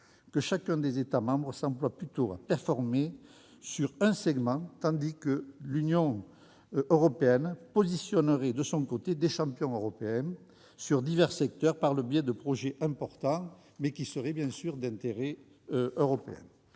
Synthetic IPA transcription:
kəʃakɛ̃d̪ezet̪amɑ̃bʁəsɑ̃plwaplyt̪oa̰pɛʁfɔʁme | syʁɛ̃sɛɡmɑ̃t̪ɑ̃d̪ikəlynjɔ̃ | øʁɔpeɛnpɔzisjɔnəʁɛd̪əsɔ̃ŋkot̪ed̪eʃɑ̃pjɔ̃øʁɔpeɛ̃ | syʁd̪ivɛʁsɛk̚t̪œʁpaʁləbjɛd̪əpχɔʒeʔɛ̃mpɔʁt̪ɑ̃ | mɛkʲisəʁɛbjɛ̃syʁd̪ɛ̃nt̪eʁe | øʁɔpḛɛ̰̃

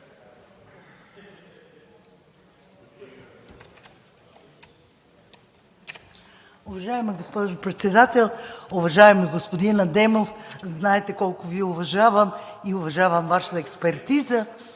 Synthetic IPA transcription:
ʊvɐʒaɛmɐɡospɔʒʊpɾɛt̪sɛd̪at̪ɛlˠʊvɐʒaɛmiɡospod̪inɐd̪ɛmofznaɛt̪ɛkɔlˠkʊviɛʊvɐʒavəmiʊvɐʒavəmvaʃə̥t̪əɛkspɛɾt̪izə

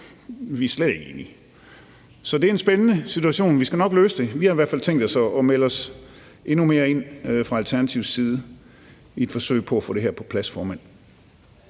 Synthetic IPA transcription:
ʋiɐsled̥e̝ɡ̥e̝̰ːni | sɒ̽d̥eæɐe̝nsb̥enənəsit͡sʰuæɕo̝̰ːnʋisɡ̥ænɒ̽ɡ̥løːsəd̥e̝ʋihɑ̈iʋæɐ̰̥fæl̰t͡sʰeŋ̰d̥ɒ̽sɒɒmelɒ̽s | e̝nume̝ːɐe̝n̰fʁɑ̈ælt͡sʰæɐnæt͡sʰiʊsiːðˠə | ie̝d̥fɒ̽sø̰ɪpʰɒ̽æfɔ̰ːɾ̥e̝ɦæɐpʰɒ̽pʰlæsfɒːmæn̰

